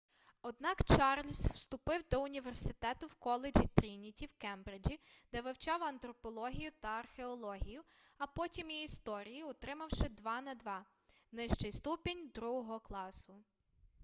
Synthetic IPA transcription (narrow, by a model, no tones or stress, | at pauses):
ɔd̪nɑkt͡ʃɑrlʲsw̥st̪ʊpɪwd̪ɔʊnʲiʋersɪt̪ɛt̪ʊwkɔlˠed͡ʒʲit̪ɾʲinʲitʲiwkɛmbɾɪd͡ʒʲid̪̥ɛʋɪwt͡ʃɑwɐnt̪ɾɔpɔlˠɔɦʲijʊt̪ɐɐrxeɔlˠɔɦʲijʊɐpɔtʲimiːst̪ɔɾʲijiɔt̪ɾɪmɐwʃɪd̪ʋɑnɐd̪ʋɑ | nɪʃt͡ʃɪjst̪upɪnʲd̪ɾuɦɔɦɔklˠɑsʊ